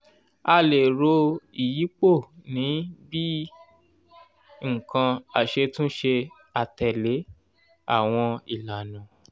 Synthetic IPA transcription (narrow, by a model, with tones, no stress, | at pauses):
a˧le˨ɾo˧i˨ji˨˦k͡po˦˨nĩ˨˦bi˦ | ŋ̩˨kã˧a˨ʃe˧tũ˦ʃe˧ | a˨tɛ˨le˨˦ | a̰˦˨w̃ɔ̃˧i˨la˨nã˨